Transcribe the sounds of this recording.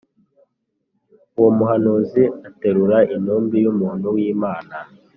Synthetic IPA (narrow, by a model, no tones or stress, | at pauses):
uwomuhanoziateɾuɾaʔinuːmbijumuːhun̤uwiːmaːna